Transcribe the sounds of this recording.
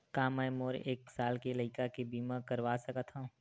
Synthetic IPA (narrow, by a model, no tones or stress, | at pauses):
kaːmɛjmoːɾeːksaːlkelɐɪkakebiːmãkəɾwaːsɐkət̪ʰã